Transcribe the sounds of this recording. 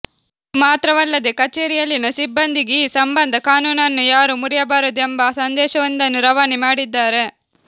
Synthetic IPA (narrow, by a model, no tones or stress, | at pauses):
maːt̪ɾɐʋɐlːɐd̪ekɐt͡ʃeːɾijɐlːinɐsibːɐnd̪iɡesɐmbɐnd̪ʱɐkaːnuːnɐnːujaːɾumuɾijɐbaːɾɐd̪uembɐsɐnd̪ɛːʃɐʋɐnd̪ɐnːuɾɐʋaːnimaːɽid̪ːaːɾe̞